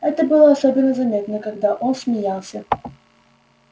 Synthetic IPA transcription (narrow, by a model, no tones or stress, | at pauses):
ɛt̪əbɨlˠəɐsobʲɪnːəzɐmʲet̪nəkaɡd̪aʔonsʲmʲɪjalˠsʲə